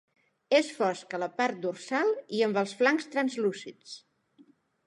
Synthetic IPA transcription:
esfɔskələpaɾt̪̚d̪ursalˠiəmbəlˠsflaŋst̪ɾənzlusit͡s

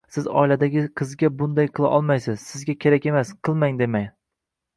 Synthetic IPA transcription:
sɪzɒ̰ilad̪aɡʲɪqʰɨzɡʲabʊnd̪ajqʰɨlˠa̰ʔɒlˠmajsɪz̥sɪzɡʲakʲʰe̞ɾakʲe̞masqʰɨlˠmaŋd̪e̞maŋʲ

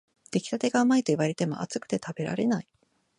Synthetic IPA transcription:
d̪̥e̞kʲi̥t̪at̪e̞ɡaɯmait̪o̞iβaɾe̞t̪e̞mo̞̰ʔa̰t͡sɨ̥kɯ̟̥t̪e̞t̪abe̞ɾa̰ɾe̞nai

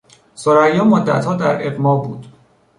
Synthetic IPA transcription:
soɾæjːɒːmod̪ːæ̰t̪hɒːd̪æɾebmɒːbuːd̪̥

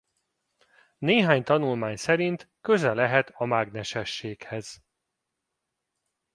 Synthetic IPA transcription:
neːɦaːɲt̪ɒnulmaːɲsɛɾint̪ | kø̞zɛlɛɦɛt̪ɒmaːɡnɛʃɛʃːeːkhɛz̥

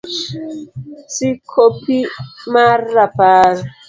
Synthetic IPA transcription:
sikʰopimaɾapaɾ

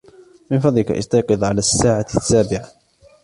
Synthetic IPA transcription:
mɪnfɑd̪ˤlɪka̰ʔɪ̰st̪ɑjqɨðˤʕalaːsːaːʕasːaːbɪʕa

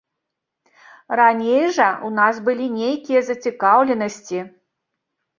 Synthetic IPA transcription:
ranʲejʐɐunasbɨlʲinʲejkʲijɐzɐt͡sʲikawlʲɛnɐsʲt͡sʲi

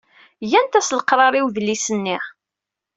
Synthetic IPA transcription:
jænt̪æsləqɾˤɑɾˤiwðəlisənːiʁ

